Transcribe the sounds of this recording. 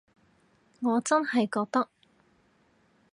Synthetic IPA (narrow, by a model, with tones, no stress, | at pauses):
ŋɔː˨˧t͡sɐ˥nhɐ˨jkɔː˧k̚t̪ɐ˥k̚